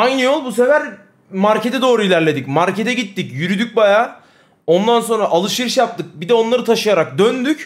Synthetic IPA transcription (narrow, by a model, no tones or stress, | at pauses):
ajnɯjo̞lˠbuse̞væɾ | maɾcʰet̪ʰɛd̪o̞ːɾuilʲæɾlʲe̞d̪icmaɾcʰe̞t̪ʰɛɟit̪ːicjyɾyd̪yc̚bajaː | o̞nd̪anso̞nɾaʔalˠɯʃiɾɯʃjap̚t̪ɯk̚bid̪ɛo̞nlˠaɾɯt̪ʰaʃɯjaɾak̚d̪ønd̪yc